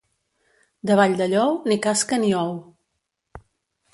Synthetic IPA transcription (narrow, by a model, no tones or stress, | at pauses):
d̪əβaʎd̪əʎɔwnikaskəniɔw